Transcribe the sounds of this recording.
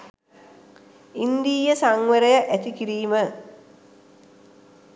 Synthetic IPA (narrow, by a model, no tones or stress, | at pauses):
ind̪iːjəsaŋʋəɾɐjəʔæt̪ikiɾiːmə